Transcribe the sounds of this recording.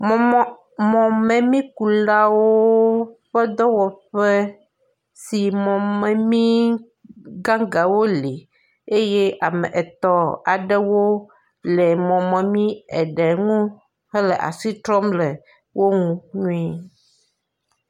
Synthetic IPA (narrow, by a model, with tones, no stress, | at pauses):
mɔ˨ | mɔ̃˨mɛ̃˨mĩ˦ku˨la˦wo˦ɸɛ˦d̪ɔ˦wɔ˨ɸɛ˦ | si˨mɔ̃˨mɛ̃˨mĩ˦ | ɡã˦ɡa˨wo˦li˨ | e˦je˦ʔa˨mɛ̰̃˨ʔɛ˨t̪ɔ˦a˨ɖɛ˦wo˦ | lɛ˨mɔ̃˨mɛ̃˨mĩ˦ɛ˨ɖɛ˨ŋũ˦ | hɛ˦lɛ˨ʔa̰˨si˦t̪ɾɔ˦mlɛ˨ | wʔo˦ŋũ˦ɲũ˦ɛ˦